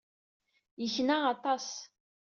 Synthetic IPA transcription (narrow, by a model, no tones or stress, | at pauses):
içnaʁat̪ˤɑs